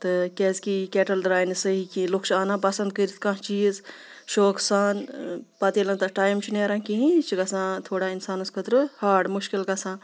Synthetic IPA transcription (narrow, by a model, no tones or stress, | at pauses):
t̪ɨkɛzkikɛːʈɐlɖɾaːjnisəɦikĩlukʰt͡ʃʰaːnãpɐsɐnd̪̚kəɾit̪ʰkãɦt͡ʃiːz | ʃoːksaːnpɐt̪iːlɐnt̪aʈaːjmt͡ʃʰineːɾãːkĩɦĩt͡ʃʰiɡɐsãːt̪ʰoːɽainsaːnɐskʰət̪ɾɨhaːɾɖmuʃkilkɐsãː